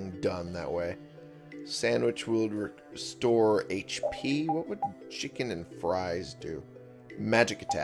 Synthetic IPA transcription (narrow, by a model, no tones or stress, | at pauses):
ŋdʌ̃nðɨ̰ʔweɪ | sæ̃nwɨt͡ʃwɪlˠɹɨ | stɔɹeɪt͡ʃpʰiwʌt̚wɨd̚ | t͡ʃʰɪkɨ̃nɨ̃nfɹaɪzdʉ̰ | mæd͡ʒɨkɨ̥tʰæ̰